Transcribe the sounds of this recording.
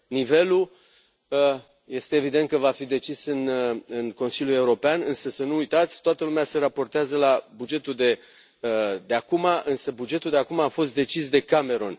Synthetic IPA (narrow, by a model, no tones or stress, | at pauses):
nive̞lu | ə | je̞st̪e̞ːvid̪ent̪kəvafid̪e̞t͡ʃisɨnɨnko̞nsiljue̞uɾo̞peanɨnsəsənuujt̪at̪sʲt̪oat̪əlumease̞ɾapo̞rt̪eazəlabud͡ʒe̞t̪uld̪e̞ | d̪eakumaʔɨnsəbud͡ʒe̞t̪uld̪eakumaːfo̞st̪̚d̪e̞t͡ʃisd̪e̞kame̞ɾo̞n